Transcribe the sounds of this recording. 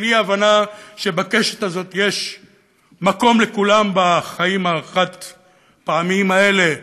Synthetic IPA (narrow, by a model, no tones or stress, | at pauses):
niavanaʃe̞bakeʃe̥t̪azo̞t̪jeʃ | mako̞mle̞kulambaχaimaːχat̪ | paamimae̞le̞